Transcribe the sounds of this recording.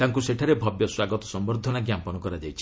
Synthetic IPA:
t̪aŋkuseʈʰaɾebʱɔbjɔswaɡɔt̪ɔ̥sɔmbɔɾd̪ʱɔnaɡjampɔnɔkɔɾad͡ʒajt͡ʃʰi̥

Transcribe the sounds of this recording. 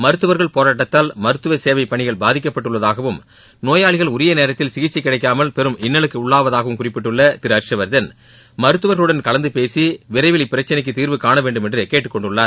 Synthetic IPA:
mɐɾɯt̪ːɯʋɐɾɣɐɭpoːɾaːʈːɐt̪ːaːlmɐɾɯt̪ːɯʋɐseːʋɐɪpːɐɳɪɣɐɭbaːðɪk̬ːɐpːɐʈːɯɭːɐðaːɣɐʋɯm | noːjaːɭɪɣɐɭʊɾɪjɐneːɾɐt̪ːɪlsɪɣɪt͡ʃːikːɪɽɐɪkːaːmɐlpɛɾɯmʔɪnːɐɭɯkːɯʊɭːaːʋɐðaːɣɐʋɯmkʊrɪpːɪʈːɯɭːɐt̪ɪɾɐɾʂɐʋɐɾðɐn | mɐɾɯt̪ːɯʋɐɾɣɐɭɯɽɐnkɐlɐnd̪ɯpeːsiʋɪɾɐɪʋɪlɪpːɪɾɐt͡ʃːɐnɐɪkːɯt̪iːɾʋɯkaːɳɐʋeːɳɖɯmɛndrɯkeːʈːɯkːɔɳɖɯɭːaːɾ

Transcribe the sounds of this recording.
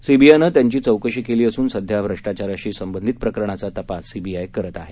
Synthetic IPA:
sibiajnəːt̪jaɲt͡ɕiːt͡səwkəɕikeliːəsuːnsəd̪ʱjabɾəʂʈat͡ɕaɾaɕiːsəmbənd̪ʱit̪̚pɾəkəɾɳ̃at͡sat̪əpasːibiajkəɾət̪aɦe

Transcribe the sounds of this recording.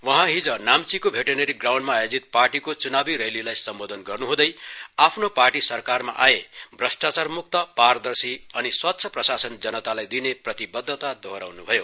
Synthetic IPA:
wʌɦãɦid͡zʌnamt͡sikobʱeʈeneɾiɡraw̃ɳɖmaːjod͡zit̪̚parʈikot͡sunabiɾelilajsʌmbod̪ʱʌnɡʌrnuɦũd̪ʌjapʰnoparʈisʌrkarma̰ʔaebʱrʌsʈat͡sarmuk̚t̪ʌpaɾʌd̪ʌrsiʌniswat̪ːsʰjʌprʌsasʌnd͡zʌnʌt̪alajd̪ineprʌt̪ibʌd̪ʱːʌt̪ad̪ʱoɦɾa̰wnubʱʌjo

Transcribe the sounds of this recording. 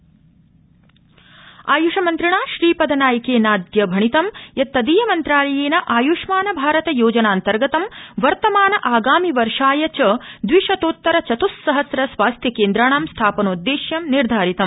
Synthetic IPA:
aːjuʂɐmɐnt̪ɾiɳaːʃɾiːpɐd̪ʱɐnaːjɐkeːnaːd̪jɐbʱɐɳit̪ɐmjɐt̪ːɐd̪iːjɐmɐnt̪ɾaːlɐjeːnɐʔaːjuːʂmaːnɐbʱaːɾɐt̪ɐjoːd͡ʒɐnaːnt̪ɐɾɡɐt̪ɐmʋɐɾt̪ɐmaːnɐʔaːɡaːmiʋɐɾʂaːjɐt͡ʃɐd̪ʋiʂɐt̪oːt̪ːɐɾɐt͡ʃɐt̪usːɐɦɐsɾɐsʋaːst̪ʰjɐkeːnd̪ɾaːɳ̃aːmst̪ʰaːpɐnoːd̪ːeːʃjɐmniɾd̪ʱaːɾit̪ɐm

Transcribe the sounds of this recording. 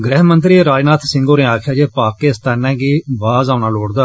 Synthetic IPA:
ɡɾɛɦmə̃nt̪̬ɾiːɾaːd͡ʒnaːt̪ʰsɪ̃ŋɡõːnẽːaːkʰɪjaːd͡ʒeːpaːkːeːɪst̪aːnɛ̃ːɡiːbaːzãːʊnaːloːɽd̪aː

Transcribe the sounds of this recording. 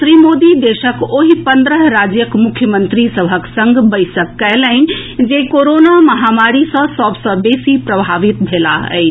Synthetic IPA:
t̪ɾimod̪id̪esəkoɦipənd̪ɾəɦɾad͡ʒjəkmukʰjəmənt̪ɾisəbʱəksəŋɡbəjsəkːɛlənd͡ʒekoɾonaməɦamaɾisə̃səbʱsə̃besipɾəbʱaʋit̪bʱela̰ə̰ɪt͡ʃʰ

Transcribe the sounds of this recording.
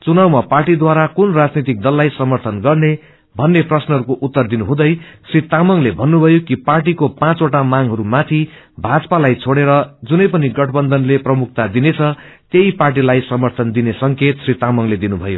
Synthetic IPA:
t͡sunawmaparʈid̪waɾakunrad͡znit̪ik̚d̪ʌlːajsʌmʌrt̪ʰʌnɡʌrne | bʱʌnːeprʌsnʌɦʌɾukoʔut̪ːʌrd̪inuɦũd̪ʌjsrit̪amʌŋlebʱʌnːubʱʌjokiparʈ̬ikopãt͡soʈamaŋɦʌɾumat̪ʰi | bʱad͡zpalajt͡sʰoɽeɾʌd͡zunʌjpʌniɡʌʈʰbʌnd̪ʱʌnleprʌmuk̚ʰt̪ad̪inet͡sʰʌ | t̪eiparʈ̬ilajsʌmʌrt̪ʰʌnd̪inesʌŋket̪srit̪amʌŋled̪inubʱʌjo̰

